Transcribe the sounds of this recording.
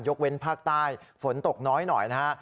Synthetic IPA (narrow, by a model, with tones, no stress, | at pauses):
jo˦˥k̚we˧npʰaː˥˩k̚t̪aː˥˩jfo˩˦nt̪o˨˩k̚nɔː˦˥jnɔ̰˨˩jna˦˥ka˦˥ʔ